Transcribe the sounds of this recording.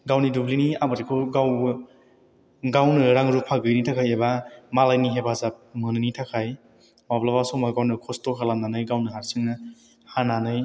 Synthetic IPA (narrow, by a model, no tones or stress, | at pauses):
ɡawnidubliniamaɾikʰuɡaw | ɡawnɯɾaŋɾupʰaɡɯjnitʰakʰajebamalajniɦebazap̚mɯnɯnitʰakʰaj | mablabasɔmaɡawnɯkʰɔstokʰalamnanɯjɡawnɯɦaɾsɯŋnɯ | hananɯj